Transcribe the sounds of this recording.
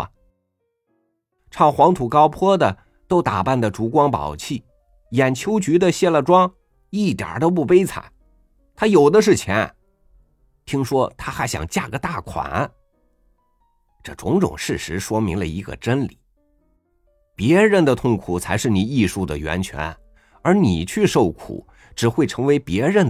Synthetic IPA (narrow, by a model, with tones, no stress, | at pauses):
ʈ͡ʂʰɑ˥˩ʊxwɑ˧˥ŋt̪ʰu˨˩kɑ˥ʊpʰwɔ˥d̪ə˨ | t̪o˥ʊt̪a˨˩pa˥˩nd̪ə˩ʈ͡ʂu˧˥kwɑ˥ŋpɑ̰˨˩ʊt͡ɕʰi˥˩ | jɛ˨˩nt͡ɕʰjo˥ʊt͡ɕy˧˥d̪ə˧ɕjɛ˥˩lə˨˩ʈ͡ʂwɑ˥ŋ | i˥˩t̪jə̰˞˨˩t̪o˥ʊp̬u˥˩pe˥ɪt͡sʰa̰˨˩˦n | t̪ʰa˥jo˨˩ʊd̪ə˦ʂ̬ɻ̩˥˩t͡ɕʰjɛ̰˧˥n | t̪ʰi˥ŋʂwɔ˥t̪ʰa˥xa˧˥ɪɕjɑ̰˨˩ŋt͡ɕja˥˩ɡə˦t̪a˥˩kʰwa̰˨˩˦n | ʈ͡ʂɤ˥˩ʈ͡ʂʊ˧˥ŋʈ͡ʂʊ̰˨˩ŋʂɻ̩˥˩ʂɻ̩˧˥ʂwɔ˥mi˧˥ŋlə̰˧i˧˥ɡə̰˧ʈ͡ʂə˥nli˨˩˦ | pjɛ˧˥ɻə˧˥nd̪ə˨t̪ʰʊ˥˧ŋkʰu˨˩t͡sʰa˧˥ɪʂɻ̩˥˩ni˨˩i˥˧ʂu˥˩d̪ə̰˩ɥɛ̰˧˥nt͡ɕʰɥɛ̰˧˥n | ə˞˧˥ni˨˩t͡ɕʰy˥˧ʂo˥˩ʊkʰṵ˨˩˦ | ʈ͡ʂɻ̩˨˩xwe˥˩ɪʈ͡ʂʰɤ˧˥ŋwe˧˥ɪpjɛ˧˥ɻə˧˥n